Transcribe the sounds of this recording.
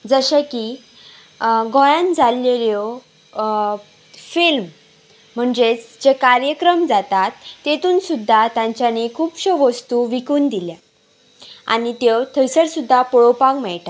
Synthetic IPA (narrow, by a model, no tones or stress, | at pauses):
d͡zəɕəki | ɡʱojãnd͡zalːeljɔ | film̤ː | əɳd͡ʑet͡sd͡ʑekaɾjəkɾəmd͡zat̪at̪ːet̪uːnsud̪ʱːat̪jãɲt͡ɕjanikʰuːpɕəʋəst̪uʋikuːnd̪ilja | a̰nit̪ewt̪ʰəjsəɽsud̪ʱːapɔɭopãŋmɛɭʈa